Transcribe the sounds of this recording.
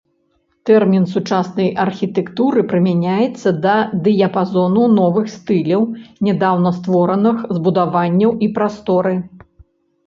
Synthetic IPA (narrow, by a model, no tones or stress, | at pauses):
t̪ɛrmʲinsut͡ʂasnɐjʔɐrxʲit̪ɛkt̪uɾɨpɾɨmʲanʲajɛt̪sːɐd̪ɐd̪ɨjɐpazɔnunɔvɨxst̪ɨlʲɐwnʲɛd̪awnɐst̪vɔɾɐnɨxzbud̪avanʲːɐwipɾast̪ɔɾɨ